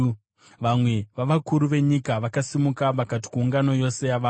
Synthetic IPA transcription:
ʋamwe̞ʋaʋakuɾuʋe̞ɲikaʋakasimukaʋakat̬i̥kuːŋɡano̞jo̞se̞jaʋaː

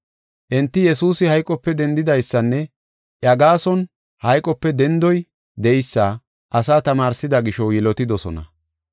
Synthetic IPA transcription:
ʔɪnt̪ːɪjɛsuːsɪhɐjkʼɔpːɛd̪ɛnd̪ɪd̪ɐjsːɐnːɛ | ʔɐɡaːsɔn | hɐjkʼːɔpːɛd̪ɛnd̪ɔj | d̪ɛjsːa | ʔɐsaːt̪ɐmaːɾsɪd̪ɐɡɪʃɔwjɪlɔt̪ɪd̪ɔsɔ̰nɐ̰

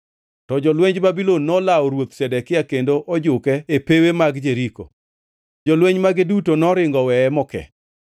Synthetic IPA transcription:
tɔd͡ʒɔlweɲd͡ʒbabilonːɔlaɔɾwot̪sɛdɛkɪjakendoʔɔd͡ʒʊkɛepewemaɡd͡ʒeɾiko̰ | d͡ʒɔlweɲmaɡɪdutonɔɾɪŋɡɔwɛɛmɔkɛ̰

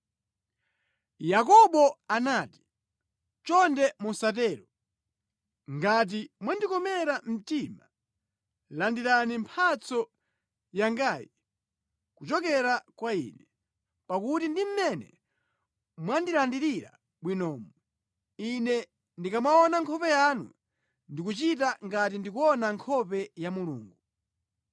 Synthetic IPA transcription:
jak̬ɔɓɔanaːti̥ | t͡ʃɔndɛmusat̬ɛːɾɔ | ŋɡat̬imwandikɔmɛɾam̩tima | landiɾanimpʰat͡sɔ | jaŋɡaːji | kut͡ʃɔkɛɾakwaḭːnɛ | pakutindim̩mɛnɛ̰ | mwandilandiɾiɾa̰ | ɓwinɔːmɔ | inɛ | ndikamwaɔnaŋkʰɔpɛjanṵ | ndik̬ut͡ʃitaŋɡatindikuɔnaŋkʰɔpɛjamulṵːŋɡu

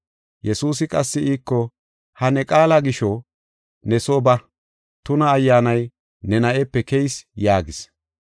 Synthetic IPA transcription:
jʔɛsuːsɪkʼɐsːɪiːkːɔ | hɐnɛkʼaːlaɡɪʃɔ | nɛsoːbɐ | t̪ʊnɐːjːaːnɐj | nɛnɐʔɛpːɛkɛjsjaːɡɪs

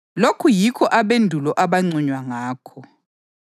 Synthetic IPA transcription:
lokʰujikʰɔʔaβendʱulɔʔaβaŋ͡ǀuɲwaŋaːkʰɔ

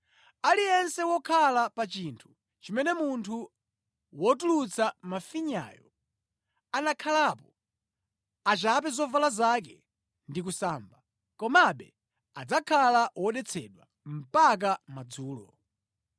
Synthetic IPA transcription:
alijɛnsɛwɔkʰalapat͡ʃintʰu̥ | t͡ʃimɛnɛmuntʰu | wɔtulut͡sʰamafiɲa̰ːjɔ̰ | anakʰalapɔ | at͡ʃap̬ɛzɔvalazak̬ɛ̰ | ndik̬usaːmba | kɔmaɓɛ | ad͡zakʰalawɔɗɛt͡sʰɛɗwa | m̩pak̬amad͡zuːlɔ̰

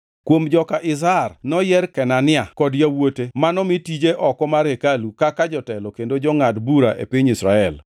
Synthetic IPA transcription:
kwomd͡ʒɔkaʔɪz̬arnɔjɛrkɛnanɪakɔdjawotemanɔmitid͡ʒeʔɔkɔmaɾekalukakad͡ʒɔtɛlɔkendod͡ʒɔŋadbuɾaʔḛpiɲisɾaɛl

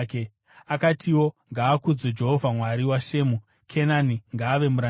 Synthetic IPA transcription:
ke | akatʰiwo̞ŋɡaːkud͡zod͡ʒe̞ɦovʱamwaɾiwaʃe̞ːmu | kʰe̞naniŋɡaːʋe̞muɾa

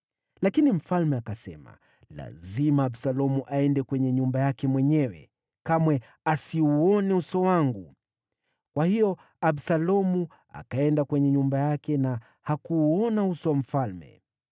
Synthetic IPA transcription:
lakinim̩falmɛakasɛma̰ | la̰zimaːbsalɔmuʔaɛndɛkwɛɲɛɲumbajakɛmwɛɲɛwɛ̰ | kamwɛ | asiuɔniusɔwaŋɡu | kwahijɔ | absalɔmu | a̰kaɛndakwɛɲɛɲumbajakɛna | hakuːɔnausɔwam̩falmɛ̰

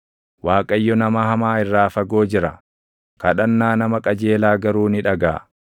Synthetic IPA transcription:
waːkʼɐjːɔnɐmɐhɐmaːɪrːaːfɐɡo̞ːd͡ʒɪɾɐ | kɐᶑɐnːaːnɐmɐkʼɐd͡ʒe̞ːlaːɡɐɾuːnɪᶑɐɡa̰ː

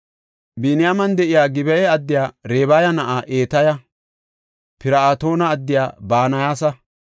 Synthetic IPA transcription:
biːnɪjamɐnd̪ɛʔɪjaːɡɪbɛjɛɐd̪ːɪjaːɾeːbajɐnɐʔaʔeːt̪ɐjɐ | pɪɾɐaːt̪o̞ːnɐːd̪ːɪja̰ːbaːnɐjaːsɐ

